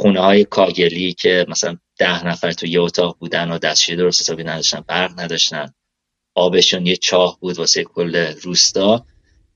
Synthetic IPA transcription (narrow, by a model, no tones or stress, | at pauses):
χunehɒːje̞kʰɒːɟe̞licʰe̞mæsælænd̪̥æhnæfæɾt̪ʰujeot̪ʰɒːɣbuːd̪ænod̪æst͡ʃiɾed̪o̞ɾost̪esʰɒːbiːnæd̪ɒʃt̪ænbæɾɣnæd̪ɒʃt̪æn | ɒːbe̞ʃuːnjet͡ʃʰɒːhbuːd̪vɒsejekʰolːeɾuːst̪ɒː